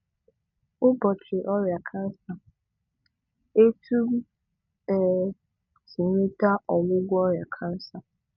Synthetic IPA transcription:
ʊ˦bɔ˨t͡ʃᶣɪ˨ʔɔ˦ɾɪ˨a˨kʰã˦n̩˦sa˨ | e˦tʰu˦ | ɛ˨ | si˨ɲĩ˦ta˦ɔ˨mʊ̃˦ɡʷu˦ɔ˦ɾɪ˨a˨kʰã˦n̩˦sa˨

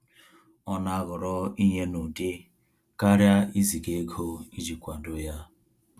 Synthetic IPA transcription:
ɔ˦na˨a˦ɣʊ˨ɾɔ˦i˦ɲe˦nu˨dɪ˦ | ka˦ɾja˦i˦zi˨ɡe˦ɡo˦i˦d͡ʒi˨kʷa˨dʊ˦ja˦

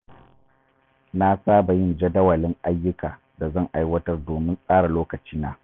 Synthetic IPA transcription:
na˦saː˦ba˨jɪ˦nd͡ʒɐ˦dɐ˦wɐ˨lɪ˦ŋʔa˦jːʊ˦kaː˨ | da˨zɐ˦˨ŋʔa˦jwɐ˦tɐ˦rdoː˨mɪ˦nsʼaː˦ɽa˨loː˦kɐ˨t͡ʃiː˦naː˦

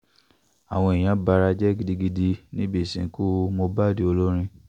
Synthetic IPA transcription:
a˨w̃ɔ̃˧i˨j̃ã˨˦ba˧ɾa˧d͡ʒɛ˦ɡi˧di˧ɡi˧di˧nĩ˦bi˦˨sḭ̃˨˦ku˦mo˧ba˦˨de˦o˧lo˦ɾ̃ĩ˧

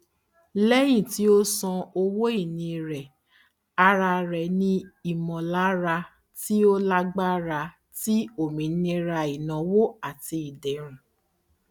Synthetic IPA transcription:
lɛ˦j̃ĩ˦˨ti˨˦o˦sɔ̃˧o˧wo˦i˦˨nĩ˧˨ɾɛ˨ | a˧ɾa˧ɾɛ˨nĩ˦i˨mɔ̃˨la˨˦ɾa˧ | ti˦o˦la˦ɡ͡ba˦ɾa˧ | ti˦o˦˨mĩ˨˦nĩ˧˦ɾa˧i˨nã˨wo˦a˦˨ti˧i˨dɛ˨ɾ̃ũ˨

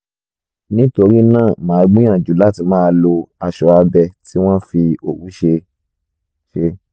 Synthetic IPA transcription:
nĩ˦to˧ɾi˦nãː˦˨mãː˨˦˧ɡ͡bũ˦j̃ã˦˨d͡ʒu˨˦la˦˨ti˧˦mãː˦˧lo˧a˧˨ʃɔ˨˧a˧bɛ˧ti˦w̃ɔ̃˦fi˧o˨wu˨˦ʃe˧ | ʃe˧

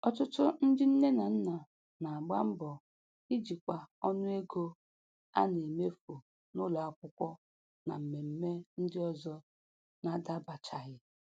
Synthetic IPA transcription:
ɔ˦tʊ˦tʊ˦n̩˦dɪ˦n̩˦ne˦na˨n̩˦na˨ | na˨a˨ɡ͡ba̰˦m̩˦bɔ˨ | i˦d͡ʒi˨kʷa˨ɔ˦nʊ˦e˦ɡo˦ | a̰˦ne˨me˦fu˨ | nʊ˦lɔ˨a˦˨kʷʊ˦kʷɔ˦ | na̰˨m̩˨me˨m̩˦me˦n̩˦dɪ˦ɔ˦zɔ˦ | na˦da˦ba˨t͡ʃa˨ɣɪ˦

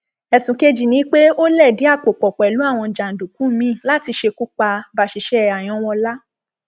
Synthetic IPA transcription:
ɛ˧˨sũ˨˦ke˦d͡ʒi˦˨nĩ˨˦k͡pe˦o˦lɛ˦˨di˨˦a˦˨k͡po˨k͡pɔ˨k͡pɛ˨lu˨˦a˦˨w̃ɔ̃˧˨d͡ʒa˨n̩˨du˨kũ˨˦˨mĩ˧˦˨la˦ti˧ʃe˧ku˦k͡pa˧ba˦˨ʃi˨˧ʃɛ˦a˨j̃ɔ̃˧˦w̃ɔ̃˧la˦

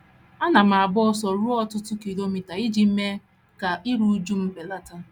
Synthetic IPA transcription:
a˦na˨m̩˨a˨bɔ˦sɔ˨ɾu˦ɔ˦tʊ˦tʊ˦ki˨lo˦mi˨ta˨i˦d͡ʒi˨m̩˦me˦ | ka˨ʔi˦ɾu˦d͡ʒu˦m̩˦be˨la˦ta˦

